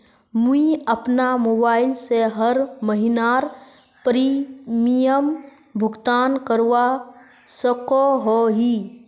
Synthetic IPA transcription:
muiəpnamoːbaːɪlseɦəɾməɦɪnaɾ | pəɾimijəm | bʱʊɡt̪aːnkəɾwa | səkoɦoɦi

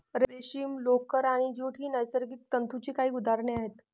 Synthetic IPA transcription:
ɾɾeɕiːmlokəɾaɽ̃id͡ʑoʈʰiːnəjsəɾɡik̪̚t̪ənt̪ʰut͡ɕikaɦiːud̪ʱaɾɳeaɦet̪

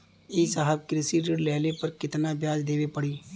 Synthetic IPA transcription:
iːsaːɦəb̚kɾɪsiɾɪɽlɛɦlepɐɾkɪt̪nabjaːd͡ʒd̪eːʋepɐɽiː

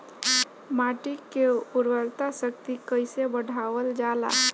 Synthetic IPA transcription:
maːʈikːeʊɾwəɾt̪asəkt̪ikəɪsebəɖʱaːwəld͡ʒaːla̰

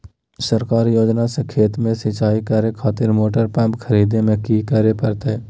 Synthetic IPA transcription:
səɾkaːɾjoːd͡ʒnasekʰeːt̪mẽsɪt͡ʃaːikəɾekʰaːt̪ɪɾmoːʈəɾpɛ̃mpkʰəɾiːd̪emẽkiːkəɾepɐɾt̪eɛː

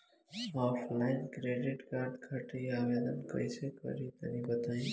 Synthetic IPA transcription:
ɔːfʰlaɪnkɾeɖɪʈkaɾɖ̪kʰaʈiaʋed̪ənkə̰jsekə̰ɾit̪ə̰nĩbəd̪ai

